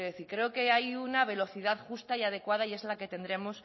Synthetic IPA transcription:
eðeθiɾkɾe̞oke̞ajunaβ̞e̞lo̞θiðaðxust̪aiað̞e̞kwaðaie̞zlake̞t̪e̞nd̪ɾe̞mos

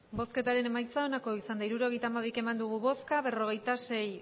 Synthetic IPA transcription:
bo̞ske̞t̪aɾe̞ne̞majt͡sao̞nako̞isand̪aiɾuɾo̞ɣ̞e̞jt̪aːmaβ̞ike̞mand̪uɣ̞uβo̞skaβe̞ro̞ɣ̞e̞jt̪ase̞j

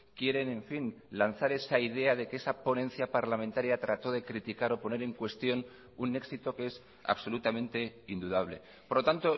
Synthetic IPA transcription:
kje̞ɾe̞nẽ̞ɱfin | lanθaɾe̞saið̞e̞að̞e̞keesapo̞nẽ̞n̟θjapaɾlament̪aɾjat̪ɾat̪o̞ð̞e̞kɾit̪ikaɾo̞po̞ne̞ɾe̞ŋkwe̞st̪jo̞n | une̞ksit̪o̞kees | a̰βso̞lut̪amẽnt̪e̞ind̪uð̞aβ̞le̞̰ | poɾlo̞t̪ant̪o̞

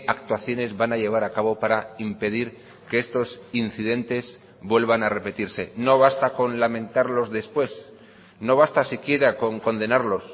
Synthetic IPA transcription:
akt̪waθjo̞ne̞zβanaʎe̞β̞aɾakaβo̞paɾaimpe̞ð̞iɾ | ke̞est̪o̞sin̟θiðe̞nt̪e̞z | bwe̞lβanare̞pe̞t̪iɾse̞no̞β̞ast̪ako̞nlamẽ̞nt̪aɾlo̞zðe̞spwe̞s | no̞β̞ast̪asikje̞ɾako̞ŋko̞nd̪e̞naɾlo̞s

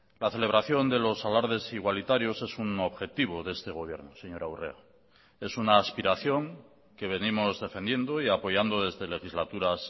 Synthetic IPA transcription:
laθe̞le̞β̞ɾaθjo̞nd̪e̞lo̞salaɾðe̞siɣwalit̪aɾjo̞se̞suno̞βxe̞t̪iβ̞o̞ðee̞st̪e̞ɣ̞o̞β̞je̞ɾnose̞ɲo̞ɾawre̞̰a | e̞sunaːspiɾaθjo̞ŋ | ke̞β̞e̞nimo̞zðe̞fend̪je̞nd̪o̞iapo̞ʝand̪oðe̞zðe̞le̞xizlat̪uɾas

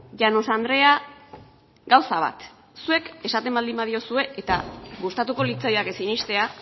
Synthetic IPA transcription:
ʝano̞sand̪ɾe̞a | ɡawsaβ̞a̰t̪ | sue̞ke̞sat̪e̞mbald̪imbað̞io̞sue̞ʔet̪aɣust̪at̪uko̞lit͡sajake̞sinist̪e̞a

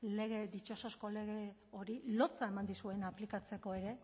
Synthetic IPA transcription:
le̞ɣ̞e̞d̪it͡ʃo̞sosko̞le̞ɣ̞e̞o̞ɾilo̞t͡sae̞mand̪isue̞naplikat͡se̞ko̞eɾe̞

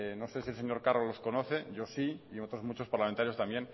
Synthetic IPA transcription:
no̞sesielse̞ɲo̞ɾkarolo̞sko̞noθe̞ʝo̞siiot̪ɾozmut͡ʃo̞spaɾlament̪aɾjost̪ambje̞n

